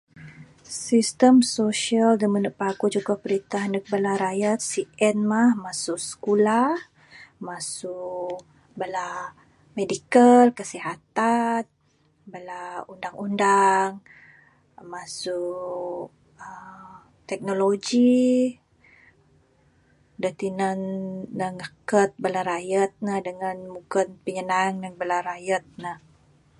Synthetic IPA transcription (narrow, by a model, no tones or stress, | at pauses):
sist̪əmsoʃiəld̪əmənəʔ̚pakud͡ʒuɡapəɾit̪aɦndək̚bəlaɾajat̪̚siʔɛnmahmasʊʔsə̥kulah | masuʔ | bəla | medikəlkəsiɦat̪an | bəlaundaŋundaŋ | masʊkk | ə | t̪ɛk̚noloɡi | dət̪inanːəŋakət̪̚bəlaɾajət̪̚nahdəŋanmuɡənpəɲənaŋnanbəlaɾajət̪̚nah